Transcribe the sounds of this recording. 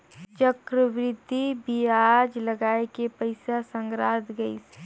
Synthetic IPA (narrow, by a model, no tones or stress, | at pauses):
t͡ʃəkɾəʋɾɪd̪ʱːibiad͡ʒləɡaːekepəɪsasə̃ŋɡɾad̪ɡəɪs